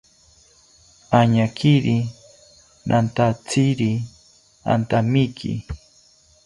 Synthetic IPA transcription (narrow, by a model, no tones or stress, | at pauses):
aɲakʰiɾi | nʔant̪at͡sʰiɾi | a̰nt̪amikʰḭ